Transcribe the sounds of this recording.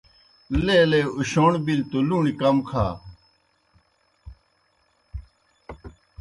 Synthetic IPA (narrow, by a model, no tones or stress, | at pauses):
leːleuɕoːɳbilt̪uluːɳikɐmkʰaː